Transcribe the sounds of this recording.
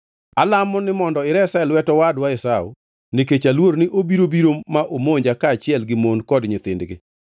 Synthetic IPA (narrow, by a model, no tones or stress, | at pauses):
alamɔnɪmɔndɔɪɾɛsaɪlwɛtɔwadwaɪsaʊ̰ | niket͡ʃalwoɾnɪʔobiɾobiɾomaʔomoɲd͡ʒakaːt͡ʃɪɛlɡɪmonkɔdɲɪt̪ɪndɡɪ̰